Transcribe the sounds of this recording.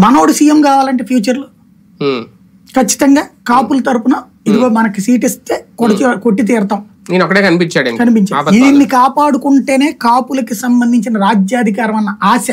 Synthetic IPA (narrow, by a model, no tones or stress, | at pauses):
mɐno̞ːɽusijemkaːʋaːlɐɳʈ̬eːpʰjuːt͡ʃɐɾlu | kɐt͡ʃːi̥t̪ɐŋɡaːkaːpulɐt̪ɐɾupunɐ | id̪uɡoːmɐnɐkisiːʈist̪e̞ːkoɽikoʈːit̪iːɾt̪aːm | neːnɔkːɐʈeːkɐnipiɲt͡ʃaːɽɐnikːɐnipiɲt͡ʃaːɐiinːikaːpaːɽukuɳʈe̞ːne̞ːkaːpulɐkisɐmbɐnd̪ʱiɲt͡ʃinɐɾaːd͡ʒjaːd̪ʱik̬aːɾɐmɐnːɐʔaːsɐ